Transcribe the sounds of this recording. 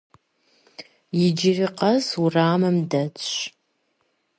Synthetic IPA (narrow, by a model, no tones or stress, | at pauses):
jɪd͡ʒɪriqɐzuraːmɨmdɐt͡sʷʼ